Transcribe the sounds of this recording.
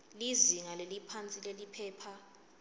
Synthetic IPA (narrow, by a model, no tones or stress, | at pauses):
liziŋalelipʰant͡sʼilelipʰɛːpʰa